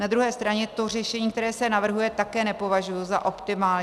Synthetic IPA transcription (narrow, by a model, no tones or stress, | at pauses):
nad̪ɾuɦɛːst̪ɾaɲɛt̪o̞r̝ɛʃɛɲiːkt̪ɛɾɛːsɛnavr̩ɦujɛt̪akɛːnɛpo̞vaʒujuza̰ʔo̞pt̪ɪmaːlɲ